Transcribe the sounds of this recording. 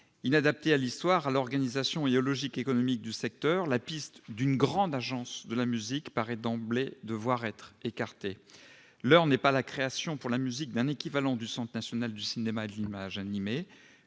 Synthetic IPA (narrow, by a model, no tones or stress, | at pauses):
inad̪ap̚t̪ealist̪waʁalɔʁɡanizasjɔ̃eɔlɔʒikekɔnɔmik̚d̪ysɛk̚t̪œʁlapist̪d̪ynɡʁɑ̃d̪aʒɑ̃sd̪əlamyzikpaʁɛd̪ɑ̃bled̪əvwaʁɛt̪χekaʁt̪e | lœʁnɛpalakχeasjɔ̃puʁlamyzik̚d̪ɛ̃nekʲivalɑ̃d̪ysɑ̃t̪nasjɔnald̪ysinemaed̪əlimaʒanime